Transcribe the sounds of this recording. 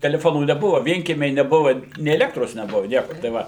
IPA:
tʲɛlʲɛˈfoːnuː nʲɛˈbʊʋɐ ˈʋʲiɛŋʲkʲiɛmʲɛɪ nʲɛˈbʊʋɐ nʲeː ɛˈlʲæːktroːs nʲɛˈbʊʋɐ ˈnʲiɛkoː tɐɪ ˈʋɐ

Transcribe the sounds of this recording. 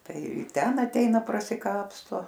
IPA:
ˈtɐɪ ˈtʲɛn ɐtʲˈɛɪnɐ prɐsʲɪˈkɑːpstoː

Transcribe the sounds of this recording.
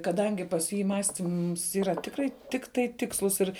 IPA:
kɐˈdɐŋʲɡʲɪ pɐs ˈjiː ˈmɑːsʲtʲiːms ˈiːrɐ ˈtʲɪkrɐɪ ˈtʲɪktɐɪ ˈtʲɪkslˠʊs ɪr

